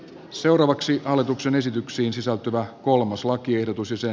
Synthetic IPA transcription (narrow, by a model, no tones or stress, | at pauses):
se̞wɾɑːʋɑksiʔɑlːˑet̪ukse̞ne̞sit̪yksiːnsisælt̪yʋæko̞lmɑslɑkie̞hdot̪usjɑse